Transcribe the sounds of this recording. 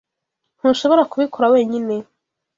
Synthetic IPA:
n̥hunʃo̞βo̞ɾakuβikoɾawe̞ːɲine̞

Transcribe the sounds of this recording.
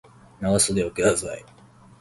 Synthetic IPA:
naasod̪eoked̪azai

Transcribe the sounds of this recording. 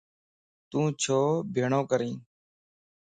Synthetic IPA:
t̪ũːt͡ʃʰoːbʱeːɳõːkəɾĩː

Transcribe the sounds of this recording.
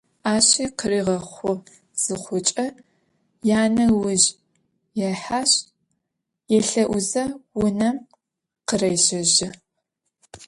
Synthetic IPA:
aːɕɐqəɾiːʁɐχʷʊ | z̥ɨχʷʊt͡ʃʼɐ | jaːnɐwʊʑ | jɛħaɕ | jɛɬɐʔʷʊzɐwʊnɐm | qərɐjʃɐʒɪ

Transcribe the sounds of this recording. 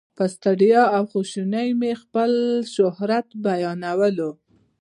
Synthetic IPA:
pəst̪aɖijɑawxoʃunəjmexpəlʃʊhɾat̪bajɑnawəlo

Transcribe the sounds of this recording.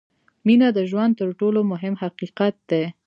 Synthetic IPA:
minad̪əʒwand̪̚t̪əɾʈolomʊɦɪmhaqiqat̪̚d̪e

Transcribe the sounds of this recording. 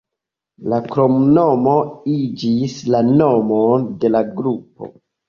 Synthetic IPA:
lakɾomno̞mo̞id͡ʒislano̞monde̞laɡɾupo̞̰

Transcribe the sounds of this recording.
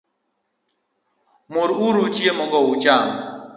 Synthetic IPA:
mʊɾuɾut͡ʃjemɔɡɔut͡ʃam

